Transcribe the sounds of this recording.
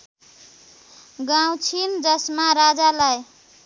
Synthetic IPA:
ɡawt͡ʃʰind͡ʒʌsmaɾad͡ʒalaj

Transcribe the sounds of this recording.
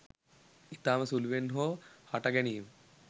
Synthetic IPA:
it̪aːmɐsulʋenɦoːhɐʈɐɡɛniːm

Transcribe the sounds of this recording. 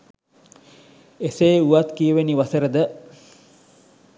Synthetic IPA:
eseːuʋat̪kiəʋeniʋasəɾəd̪ə

